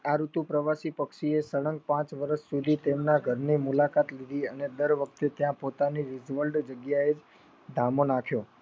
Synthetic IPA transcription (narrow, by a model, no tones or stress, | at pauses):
aɾut̪upɾəʋasipəkʃiesəɭəŋɡ̚pãt͡ʃʋəɾəʃsud̪ʱit̪emnaɡʱəɾnimulakat̪lid̪ʱiəned̪əɾʋək̚ʰt̪et̪jãpot̪aniɾid͡ʒʋəlɖd͡ʒəɡjaed͡ʒ | d̪ʱamonakʰjo